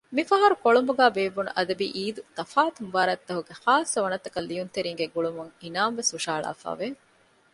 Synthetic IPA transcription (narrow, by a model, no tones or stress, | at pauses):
mifɐɦɐɾukoɭumbuɡæːbeːʋːunṵʔɐd̪ɐbiːʔiːd̪ut̪ɐfaːt̪umʋaːɾɐt̪ːɐɦuɡehaːsːɐʋɐnɐt̪ɐkɐlːijunt̪eɾiːŋɡeɡuɭumuŋinaːmʋesuʃaːɭa̰ːfa̰ːʋe